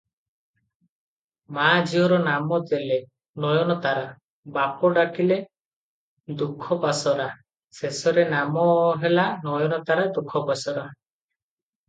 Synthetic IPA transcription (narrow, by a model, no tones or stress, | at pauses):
maːd͡ʒiɔɾɔnamɔt̪ele | nɔjɔnɔt̪aɾa | bapɔɖakile | d̪ukʰɔpasɔɾa | sesɔɾenamɔɦelanɔjɔnɔt̪aɾad̪ukʰɔpasɔɾa